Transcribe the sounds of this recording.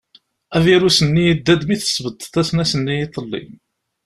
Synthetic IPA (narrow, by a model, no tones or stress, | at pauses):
æviɾusənːijəd̪ːæd̪miθə̥sːvət̪ˤːt̪ːæsnæsənːijit̪ˤːəlːḭm